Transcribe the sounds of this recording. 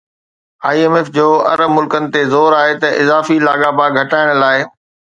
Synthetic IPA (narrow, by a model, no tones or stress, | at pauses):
aːieːmeːfd͡ʑoːɐ̰ɾəmʊlkənɪ̆t̪ezoːɾaːɦet̪ɐʔɪzaːfilaːɠabaːɡʱɐʈaːɪɽ̃laːɪ